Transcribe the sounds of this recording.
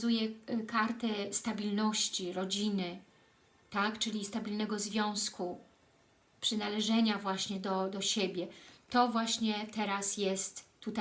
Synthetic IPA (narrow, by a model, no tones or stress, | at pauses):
zujɛkaɾt̪ɘst̪abʲilnɔɕt͡ɕiɾɔd͡ʑinɘ | t̪akt͡ʂɘlʲist̪abʲilnɛɡɔzvʲjɔ̃w̃sku | pʂɘnalɛʐɛɲavwaɕɲɛd̪ɔd̪ɔɕebʲjɛt̪ɔvwaɕɲɛt̪ɛɾasjɛst̪ːut̪a